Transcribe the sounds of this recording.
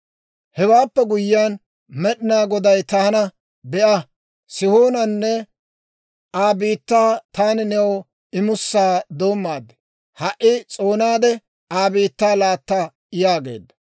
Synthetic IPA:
hɛwaːpːɛɡʊjːaːn | mɛɗɪnaːɡɔd̪ɐjt̪ɐːnɐ | bɛʔɐ | sɪhoːnɐnːɛ | aːbiːt̪ːaːt̪aːnɪnɛw | ɪmʊsːaːd̪o̞ːmːaːd̪ːɛ | hɐʔɪt͡sʼo̞ːnaːd̪ɛ | aːbiːt̪ːaːlaːt̪ːa | ɪjaːɡe̞̰ːd̪ːɐ

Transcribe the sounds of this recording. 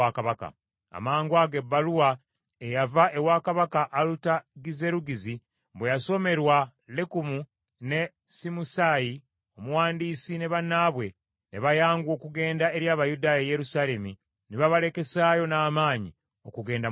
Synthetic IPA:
akaβaka̰ | a̰maːŋɡwaɡe̞bːaluwa | ejavaʔe̞waːkaβakaʔːlutaɡize̞ɾuɡizi | bwejaso̞me̞ɾwa | lekumu | ne̞ | simusaji | omuwaːndiːsine̞βanːaβwe̞ | neβajaːŋɡwo̞ːkuɡe̞ːndae̞ɾjaːβajudaːjaje̞ɾusale̞mi | neβaβale̞ke̞saːjo̞naːmaːɲi | o̞kuɡe̞ːnda

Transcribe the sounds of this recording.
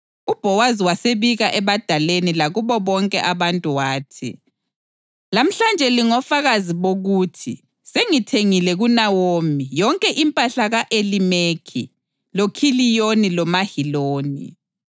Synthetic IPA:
ub̥ʱɔwaziwaseβiɣaʔɛβad̥ʱalenilaɣuβɔβɔŋkʼɛ̰ʔaβantʼuwaːtʰḭ | lam̩ɬand͡ʒʱɛliŋɔfaɣaziβoɣutʰi | seŋitʰeŋilɛɣunawomijɔŋkʼɛʔimpʼaɬaɣaʔelimekʰḭ | lokʰilijonilɔmahiloːnḭ

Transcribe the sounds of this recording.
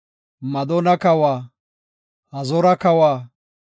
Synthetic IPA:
mɐd̪ɔnɐkɐwaː | hɐzɔɾɐkɐwaː

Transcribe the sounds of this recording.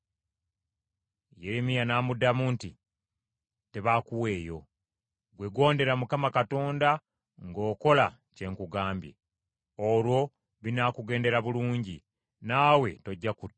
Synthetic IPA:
je̞ɾemijanaːmudamunti | te̞βakuwe̞ːjo̞̰ | ɡwe̞ɡo̞ːnde̞ɾamukamakato̞ːnda | ŋɡo̞ːko̞la | ce̞ŋkuɡaːmbjḛ | olwo̞ | βinakuɡe̞ːnde̞ɾaβuluːɲɟi | naːwe̞to̞ɟːakut

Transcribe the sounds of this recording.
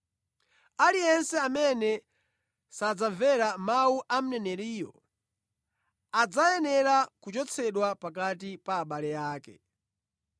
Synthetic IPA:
alijɛnsɛamɛnɛ | sad͡zaɱvɛɾamauʔam̩nɛnɛɾiːjɔ̰ | ad͡zajɛnɛɾakut͡ʃɔt͡sʰɛɗwapak̬atipaːɓalɛjaːkɛ̰

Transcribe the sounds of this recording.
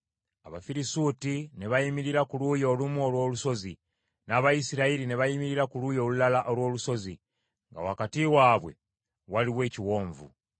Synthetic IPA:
aβa̰fiɾisutine̞βajimiɾiɾakulujo̞ːlumuo̞lwo̞ːluso̞zi | naːβajisiɾaiɾine̞βajimiɾiɾakulujo̞ːlulalaʔolwo̞ːluso̞zi | ŋɡa̰wakatiwaːβwe̞̰ | waliβwe̞ːciwo̞ːɱvṵ

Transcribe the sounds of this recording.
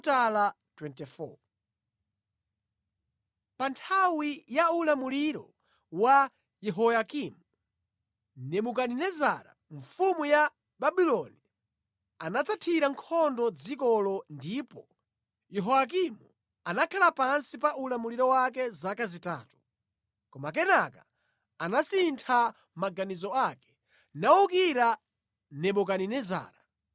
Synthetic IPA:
tala | twɛntɛfɔ̰ | pantʰawijaulamuliɾɔ | wa | jɛɦɔjakimu | nɛmuk̬aninɛza̰ɾa̰ | ɱfumuja | baɓilɔni | anat͡satʰiɾaŋkʰɔndɔd͡zikɔlɔndiːpɔ | jɛɦɔak̬imu | anakʰalapansipaʔulamuliɾɔwak̬ɛzakazitaːtu̥ | kɔmak̬ɛnaka | anasintʰa | maɡanizɔakɛ̥ | naukiɾa | nɛmukaninɛza̰ːɾa

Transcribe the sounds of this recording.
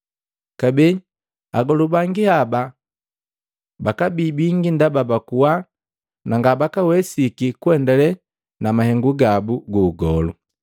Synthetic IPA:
kabɛ | aɡɔlubaŋɡihaba | bakabibiŋɡindababakuwa | naŋɡabakawɛsikikuɛndɛlɛ | namahɛŋɡuɡabuɡuːɡɔlu

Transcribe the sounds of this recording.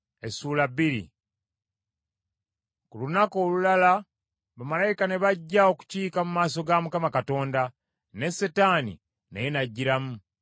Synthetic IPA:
esuːlaβiɾḭ | kulunako̞ːlulala | βamalajikane̞βaɟːao̞ku̥ciːkamumaːso̞ɡamukamakato̞ːnda | ne̞sːetanḭ | nejenaɟːiɾamu

